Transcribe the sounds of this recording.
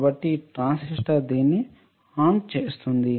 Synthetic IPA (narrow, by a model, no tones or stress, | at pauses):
bɐʈːiʈɾaːnsiʂʈɐɾd̪iːnːi | aːnt͡ʃeːst̪und̪i